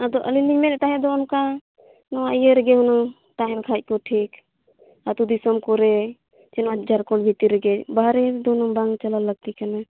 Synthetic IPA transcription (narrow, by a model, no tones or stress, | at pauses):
ad̪ɔʔəliliɲmɛnɛt̪aɦɛd̪ɔːnka | nɔwaijeɾɛɡɛɦunɔ | ʈajmkʰac̚kɔʈʰik | at̪ud̪isɔmkɔɾɛ | t͡ʃɛnɔad͡ʒaɾkɔɳbʱit̪iɾɛɡɛbaɦɾɛɾd̪ɔnubaŋɡt͡ʃəlaləɡ̚t̪ikana